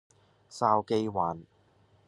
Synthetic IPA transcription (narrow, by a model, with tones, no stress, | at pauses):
saː˧wke˧jwaː˨˥n